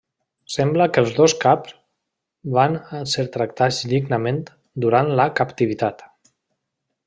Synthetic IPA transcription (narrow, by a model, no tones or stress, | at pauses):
sɛmbləkəlˠzðoskapz | βanseɾt̪ɾək̚t̪ad͡zd̪iɡnəmen | d̪uɾanləkəpt̪iβit̪at̪